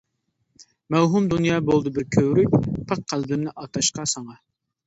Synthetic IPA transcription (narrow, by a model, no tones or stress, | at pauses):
mɛwɦumd̪unjɑːbolˠd̪ɨbɪɾkʲʰøwɾyk̚ʲpʰəq̚qʰːælbɪmnɪʔɑt̪ʰɑʃqɑsɑŋɑ